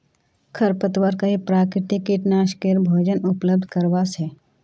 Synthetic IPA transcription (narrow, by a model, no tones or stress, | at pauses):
kʰɐɾpət̪wəɾkaipɾaːkɾɪt̪ɪkiʈnaːʃkeɾbʱoːd͡ʒənʊpləb̚d̪ʱkɐɾʋaːsɦɛː